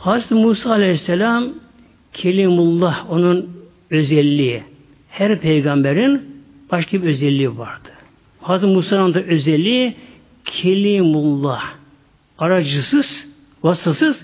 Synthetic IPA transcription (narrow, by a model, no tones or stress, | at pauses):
hɑzmuːsɑːlʲɛhisːɛlɑm | kʲʰɛlimulˠːɑhonun | øzɛlːi | hæɾpʰejɡɑmbæɾin | b̥ɑʃkʲʰibøzɛlʲːivɑɾd̪̥ɯ̥ | hɑzɯɾmuːsɑland̪ɑʔøzɛlːi | kʲʰɛlimulˠːɑh | ɑɾɑd͡ʒɯsɯz̥ | vɑst̪ɑsɯz̥